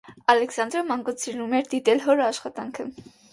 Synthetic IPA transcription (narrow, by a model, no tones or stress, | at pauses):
ɑlɛksɑnd̪ɾɔmɑŋɡut͡sʰiɾnumɛɾd̪it̪ɛlɦɔɾɑʃχɑt̪ɑŋkʰə